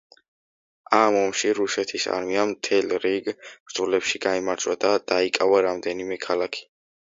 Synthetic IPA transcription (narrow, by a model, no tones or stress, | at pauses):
amɔmʃiɾusɛt̪ʰisa̰ɾmiamt̪ʰɛlɾiɡb̥ɾd̪zʼulɛpʃiɡaimaɾt͡ʃʰʼwad̪ad̪̥aikʼavaɾamd̪ɛnimɛkʰalˠakʰi̥